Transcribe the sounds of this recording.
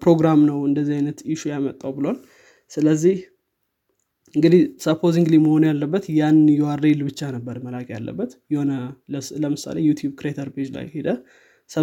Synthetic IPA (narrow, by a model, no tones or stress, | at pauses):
pɾo̞ɡɾamnəwɨnd̪əzːiajnət̪ɪʃujamət̪ʼːawbɨlol | sɨləzːih | ɨŋɡɨd̪ihsəpʰoziŋɡliməho̞njalːəbːət̪janjɛwaɾelbɨt͡ʃːanəbːəɾməlaɡja̰lːə̰bːət̪jɛhonələmɨsa̰lejut̪ʰjubkɾeet̪ʰəɾbed͡ʒla̰jhed̪ə | sə